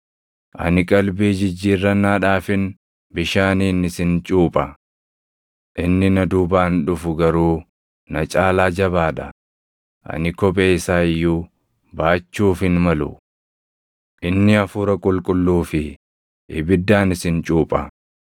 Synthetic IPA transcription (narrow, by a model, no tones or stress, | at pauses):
ʔɐ̰nɪkʼɐlbeːd͡ʒɪd͡ʒːiːrːɐnaːᶑaːfɪn | bɪʃaːniːnɪsɪnt͡ʃʼuːpʼɐ | ʔɪnːɪnɐd̪ʊbaːnᶑʊfʊɡɐɾuː | nɐt͡ʃʼaːlaːd͡ʒɐβaːᶑɐ̰ | ʔɐ̰nɪkɔpʼeːɪsaːɪjːuː | baːt͡ʃːuːfɪnmɐlʊ̰ | ʔɪnːɪɐfʊːɾɐkʼʊlkʼʊlːuːfɪ | ʔɪ̰bɪd̪ːaːnɪsɪnt͡ʃʼuːpʼɐ